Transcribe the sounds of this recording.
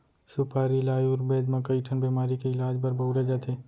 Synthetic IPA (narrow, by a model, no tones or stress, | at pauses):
sʊpʰaːɾilaːjuːɾbeːd̪mɐkəiʈʰənbiːmaːɾikeɪlaːd͡ʒbəɾbɐuɾed͡ʒat̪ʰeː